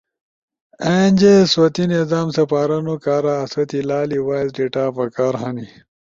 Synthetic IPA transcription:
end͡ʑeswɐt̪inezaːmsɐpaːɾɐnokaːɾaːswɐt̪ilaːliwaːjzɖiʈaːpɐkaːɾɦani

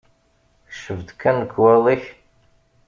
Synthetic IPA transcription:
θʃəvd̪kːænəkːwɛðˤiç

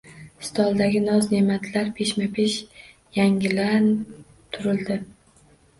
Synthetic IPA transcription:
st̪ʰɒlˠd̪aɡʲɪnɒzne̞mat̪ʰlaɾpʰe̞ʃmapʰeʃ | jaŋɪlan | t̪ʰʊɾɪlˠd̪ɪ

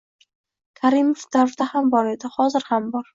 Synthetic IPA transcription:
kʰaɾimofd̪aɾd̪ahambɒɾed̪ahɒzɪɾhambɒɾ

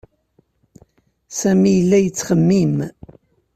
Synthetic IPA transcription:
sæmijəlːæjət͡sːχəmːim

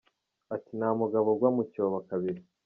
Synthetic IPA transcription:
atinamuɡaβo̞ɡwamucoːβakaβiɾi

